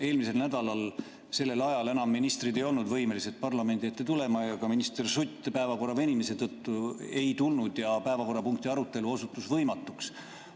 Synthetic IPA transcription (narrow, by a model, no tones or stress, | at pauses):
e̞ːlmise̞lnæd̪̥ɑlɑl | se̞lːe̞lɑjɑle̞nɑmːinist̪rid̪e̞jo̞lnud̪vɤjme̞lise̞t̪̚pɑrlɑme̞nd̪iet̪ːˑet̪ule̞mɑjɑkɑminist̪ersut̪ʲːpæe̞vɑko̞rɑvenʲimese̞t̪ɤt̪ːue̞jt̪ulnud̪jɑpæe̞vɑko̞rːɑpuŋk̚t̪iɑɾut̪ːˑe̞luo̞sut̪ːˑusvɤjmɑt̪ːˑuks